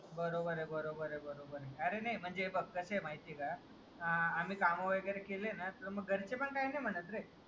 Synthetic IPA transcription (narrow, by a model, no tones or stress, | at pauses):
bəɾobəɾebəɾobəɾebəɾobəɾeəɾenəjm̤əɳd͡ʒebəɡ̚kəsemaɦit̪iɡəa | amikamoʋəɡɛɾekʰelenat̪ɾoməɡʱəɾt͡ʃepəɳkaɦinəmənət̪ɾe